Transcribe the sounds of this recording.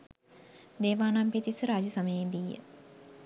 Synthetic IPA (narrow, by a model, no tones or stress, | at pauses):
d̪eːʋaːnampet̪isəɾaːd͡ʒəsəməjeːd̪ijə̰